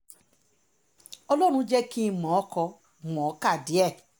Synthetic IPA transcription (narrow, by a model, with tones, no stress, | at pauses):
ɔ˧lɔ˦ɾ̃ũ˧˦d͡ʒɛ˦ki˦˨mɔ̃˨˦kɔ˧˨ | mɔ̃˨˦ka˦˨di˨˦ɛ˦˨